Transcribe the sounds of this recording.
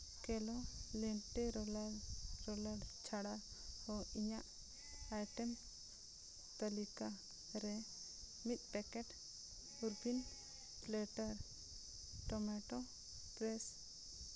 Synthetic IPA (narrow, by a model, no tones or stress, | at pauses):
kɛlɔlɛɳʈɛɾlɾɔlaɽt͡ʃʰaɽa | hɔiɲaʔ | ajʈɛm | t̪əlika | ɾɛ | mit̪̚ˀpɛkɛʈ | uɾbin | plɛʈəɾ | ʈɔmɛʈɔ | pɾɛs